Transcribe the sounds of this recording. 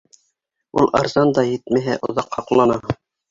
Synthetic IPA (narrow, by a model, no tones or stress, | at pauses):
ṵlˠʔɑ̰ɾzɑnd̪ɑjɘt̪mæɦæʔŏ̰ðɑqhɑqlˠɑnɑ